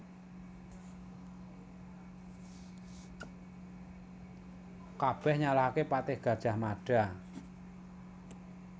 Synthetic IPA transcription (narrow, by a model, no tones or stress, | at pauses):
kab̥ɛhɲalahkepat̪ɪhɡ̥ä̤d̥ʒ̥a̤hmaɖ̥a